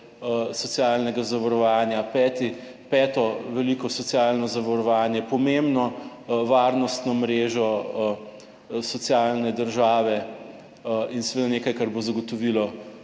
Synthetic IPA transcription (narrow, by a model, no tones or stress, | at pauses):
sɔsjalnɛɡazaʋaɾɔʋaːnjapɛːt̪i | pɛːt̪ɔʋɛliːkɔsɔt̪sijalnɔzaʋaɾɔʋaːnjɛpɔmembnɔ | ʋaːɾnɔst̪nɔmɾeːʒɔ | sɔt̪sijalnɛd̪əɾʒaːʋɛ | insɛʋeːd̪aneːkajkaɾbozaɡɔt̪ɔʋilɔ